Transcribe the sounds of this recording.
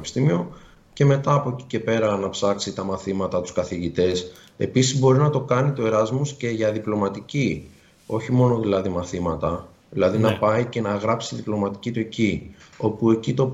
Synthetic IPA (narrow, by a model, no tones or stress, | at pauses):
pi̥st̪imio̞ | ce̞me̞t̪ɐːpo̞eci̥ce̞pe̞ɾɐnɐpsɐksit̪ɐmɐθimɐt̪ɐt̪u̥skɐθiʝit̪e̞s | e̞̰pisizbo̞ɾinɐt̪o̞kɐnit̪ue̞ɾɐzmusce̞ʝɐðiplo̞mɐt̪ici | o̞çimo̞no̞ðilɐðimɐθimɐt̪ɐ | ðilɐðinɐpɐice̞nɐɣɾɐpsiðiplo̞mɐt̪i̥cit̪ue̞cio̞pue̞cit̪o̞